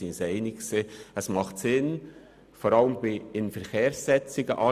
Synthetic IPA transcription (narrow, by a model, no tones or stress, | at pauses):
inseɪnɪksəɛsmɑχtsɪn | foɾɑləmbɪɪnfɛɾkʰeːɾsːɛt͡sɪɡəʔɑ